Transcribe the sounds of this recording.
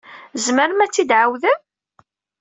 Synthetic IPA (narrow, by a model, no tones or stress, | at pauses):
zməɾəmæt͡sːid̪ʕawðə